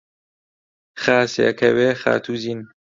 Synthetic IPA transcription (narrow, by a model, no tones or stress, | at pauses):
xaːsekʰɐweːxa̰ːt̪ʰuzin